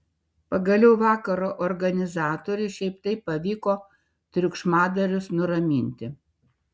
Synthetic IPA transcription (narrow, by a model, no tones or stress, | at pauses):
pɐɡɐlʲɛʊʋɑːkɐɾoːʔɔɾɡɐnʲɪzɑːt̪oːɾʲʊɪʃʲɛɪpt̪ɐɪpːɐʋʲiːkoː | t̪ʲɾʲʊkʃmɑːd̪ɐɾʲʊsnʊɾɐmʲinʲt̪ʲɪ